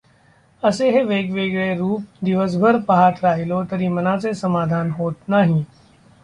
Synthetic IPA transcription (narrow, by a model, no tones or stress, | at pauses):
ɐseɦeʋeːɡʋeːɡɭeɾuːp̚d̪ɪʋəs̬bʱəɾpɐɦaːt̪ɾaːɦɪlot̪ɐɾĩmɐnãsesɐmaːd̪ʱaːnɦoːt̪naɦĩː